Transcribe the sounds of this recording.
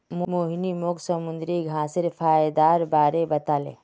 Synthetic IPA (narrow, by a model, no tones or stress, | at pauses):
momoːɦnimoksəmʊ̃nd̪ɾiɡʱãːsɪɾfʰaːjd̪aːɾbaːɾebɐt̪aːlḛː